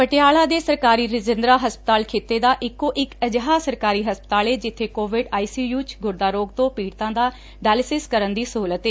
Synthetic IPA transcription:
pəʈɪjaːlãːd̪eːsəɾkaːɾiːɾɪd͡ʒɪnd̪ɾaːɦəspə̥t̪aːlkʰeːt̪eːd̪aːʔɪkːõːʔɪkəd͡ʒɦaːsəɾkaːɾiːɦəspət̪aːleːd͡ʒɪt̪ʰːeːkoːʋɪɖaːiːsiːjuːt͡ʃɡʊɾd̪aːɾoːɡ̚t̪õːpiːɽt̪ãːd̪aː | ɖɛːlɪsɪskəɾənd̪iːsəɦuːlət̪eː

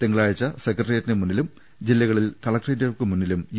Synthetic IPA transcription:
t̪eŋːɐɭaːɻit͡ɕːɐsekɐrɖɐrijɐtːinɨmunːilum | d͡ʑilːɐɣɐɭilkɐɭɐkredɣɐɭkɨmunːilumj

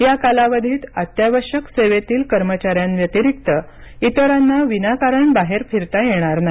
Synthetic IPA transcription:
jakalaʋəd̪ʱiːt̪at̪jaʋəɾɕəkseʋet̪iːlkəɾmət͡ɕaɾjanʋjət̪iɾik̚t̪ə | it̪əɾanːaʋinakaɾəɳbaɦeɾfiɾt̪ajeɽ̃aɾnaɦi

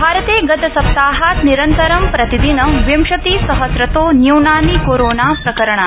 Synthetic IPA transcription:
bʱaːɾɐt̪eːɡɐt̪ɐsɐp̚t̪aːɦaːt̪niɾɐnt̪ɐɾɐmpɾɐt̪id̪inɐʋjɐmʃɐt̪isɐɦɐsɾɐt̪oːnjunaːnikoːɾoːnaːpɾɐkɐɾɐɳ̃a

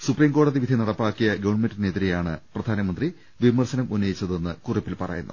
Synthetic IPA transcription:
supriːmko̞ːɽɐðiʋid̪ʱinɐɽɐpːaːkːijɐɡɐʋɐɳmendɐneːt̪iɾijaːɳɨprɐd̪ʱaːnɐmɐnd̪ri | ʋimɐrsɐnɐmunːɐjit͡ɕːɐðe̞nːɨkuripːilpɐrɐ̰jṵnːṵ

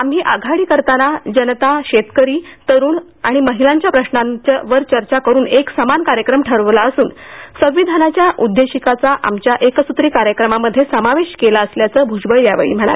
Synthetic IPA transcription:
amɦiːʔaɡʱaɽiːkəɾt̪anad͡ʑənt̪aɕet̪kəɾiːt̪əɾuːn | aɽ̃iməɦilaɲt͡ɕjapɾəɕnanʋəɾt͡ɕəɾt͡ɕakəɾuːneksəmankaɾjəkɾəmʈʰəɾʋlaəsuːn | sə̃ʋʋid̪ʱanat͡ɕjaʔud̪ʱːeɕikat͡saʔa̰mt͡ɕjaʔeksut̪ɾiːkaɾjəkɾəmaməd̪ʱːjesəmaʋeɕkelaəsljat͡səːbʱud͡ʑbəɭjaʋḛɭḭːm̤əɳ̃a̰l

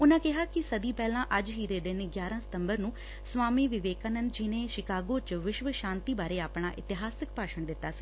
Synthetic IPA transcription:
ʊnãːkɪɦaːkɪsəd̪iːpɛːlãːʔəd͡ʒɦiːd̪eːd̪ɪnɡjaːɾãːsɪ̥t̪əmbəɾnũː | sʋaːmiːʋɪʋeːkaːnə̃nd̪d͡ʒɪnẽːʃɪkaːɡoːt͡ʃʋɪʃʋəʃãːnt̪iːbaːɾeːaːpɳaːʔɪt̪ɪɦaːsɪkpaːʃəɳd̪ɪt̪ːaːsi̥ː

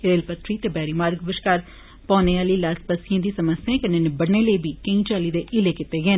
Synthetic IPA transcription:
ɾeːlpət̪ɾiːt̪eːbɛːɾiːmaːɾɡbəʃkaːɾ | pɔːneːaːliːlaːspəsɪjãːd̪iːsəməsjãːkəneːnɪbəɽneːləibiːkẽĩːt͡ʃaːliːd̪eːʔɪleːkɪt̪eːɡeː

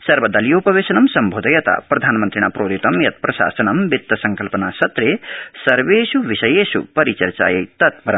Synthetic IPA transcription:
sɐɾʋɐd̪ɐlijoːpɐʋeːsɐnɐmsɐmbʱoːd̪ɐjɐt̪a̰pɾɐd̪ʱaːnmɐnt̪ɾiɳ̃aːpɾoːd̪it̪ɐmjɐt̪̚pɾɐʃa̰ːsɐnɐmbit̪ːɐsɐŋkɐlpɐnaːsɐt̪ɾesɐɾʋeːsuʋisɐjeːsṵpɐɾit͡ʃɐɾt͡ʃa̰ːjɐt̪ɐt̪̚bɐɾɐ

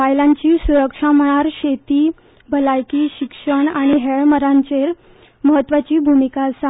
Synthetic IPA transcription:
ʋajlãɲt͡ɕiːsuɾəkʂam̤əɽ̃aɾɕet̪iː | bʱəlajkiːɕikʂəɳaɽ̃iɦeɭməɾãɲt͡ɕeɾ | məɦət̪ːʋat͡ɕiːbʱumikasa

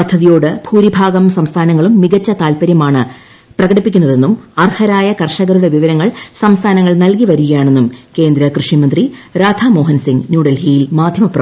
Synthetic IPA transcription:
pɐd̪ʰʱːɐðijo̞ːɽɨbʱuːɾibʱaːɡɐmsɐmst̪ʰaːnɐŋːɐɭumːiɡɐt͡ɕːɐt̪aːlpɐɾjɐmaːɳɨ | prɐɣɐɽipːikʲːunːɐðe̞nːumɐrhɐɾaːjɐkɐrʂɐɣɐɾuɽe̞ʋiʋɐɾɐŋːɐɭsɐmst̪ʰaːnɐŋːɐɭnɐlkiʋɐɾuɣɐjaːɳe̞nːumke̞ːnd̪ɾɐkrɨʂimɐnd̪riɾaːd̪ʱʰaːmo̞ːɦɐnsiŋɡnjuːɽɐlhiːlmaːd̪ʱjɐmɐpːrɐ

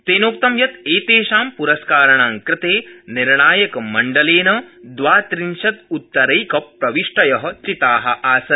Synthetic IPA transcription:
t̪eːnoːk̚t̪ɐmjɐt̪eːt̪eːʃaːmpuɾɐskaːɾɐɳaːŋkɾɪt̪eːniɾɳaːjɐkɐmːɐɳɖɐleːnɐd̪ʋaːt̪ɾinʃɐt̪̚ut̪ːɐɾɐjkɐpɾɐʋiʂʈɐjɐɦɐ̆t͡ʃit̪aːɦɐ̰ʔaːsɐ

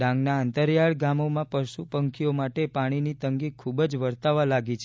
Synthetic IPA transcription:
ɖãŋɡnaːnt̪əɾjaɭɡamomãpəɾʃupəŋkʰijomaʈepaɽ̃init̪əŋɡikʰubəd͡ʒʋəɾt̪aʋalaɡit͡ʃʰe

